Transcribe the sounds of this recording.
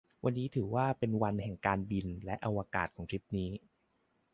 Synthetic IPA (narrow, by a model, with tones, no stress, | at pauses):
wʔa˧nːiː˦˥t̪ʰɯː˩˦waː˥˩pe˧nwa˧nhɛ˨˩ŋkaː˧nbi˧nlɛ˦˥ʔa˧wa˧kaː˨˩t̪̚kʰɔː˩˦ŋt͡ɕʰi˦˥p̚niː˦˥